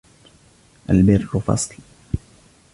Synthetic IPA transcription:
ʔalbɪɾkʊfɑ̰sˤl

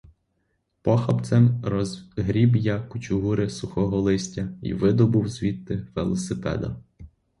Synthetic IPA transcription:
pɔxɐpt̪sɛmɾɔɦɾʲibjakːʊt͡ʃʊɦuɾɪsʊxɔɦɔlˠɪsʲtʲɐḭʋɪd̪ɔbuwzʲʋʲit̪ːɪʋḛlˠɔsɪpɛ̰d̪ɐ̰

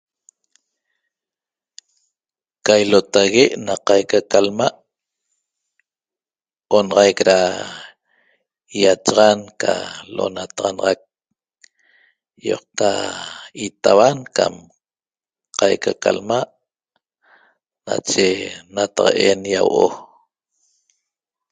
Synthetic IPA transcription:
kajlot̪aɣeʔnaqɑjkakalmaʔ | onɑʁɑjkɾa | jat͡ʃɑʁɑnka̰lʔo̰nat̪ɑʁɑnɑʁɑk̚ | jo̰q̚t̪a | it̪awanka̰m | qɑjkakalmaʔ | na̰t͡ʃenat̪aʁɑ̰ʔenjawʔo̰

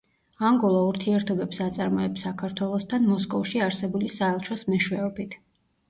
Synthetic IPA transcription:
aŋɡɔlˠauɾt̪ʰiɛɾt̪ʰɔbɛpsat̪sʼaɾmɔɛpsakʰaɾt̪ʰwɛlˠɔst̪ʰanmɔskʼɔfʃiaɾsɛbulisaɛlˠt͡ʃʰɔsmɛʃwɛɔbit̪ʰ

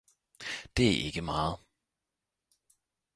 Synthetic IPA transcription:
d̥eæʔeɡ̥əmɑːð̩ˠ

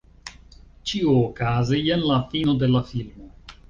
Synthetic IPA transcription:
t͡ʃiuːkazienlafinod̪elafilmo

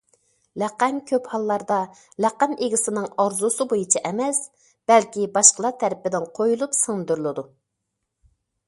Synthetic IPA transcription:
lɛqæmkʲʰøphɑlˠːɑɾd̪ɑ | læqɛmʔeɡʲisɪnɨŋɑɾzusɨbojut͡ʃʰɑʔɛmɛs | b̥ɛlkʲibɑʃqəlˠɑt̪ʰæɾɪpɪd̪ɪnqʰojulˠupsɨŋnɨd̪yɾlˠɨd̪u

